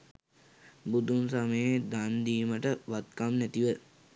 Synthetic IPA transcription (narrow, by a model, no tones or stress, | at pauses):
bud̪unsaməjed̪and̪iːməʈəʋat̪kamnæt̪iʋə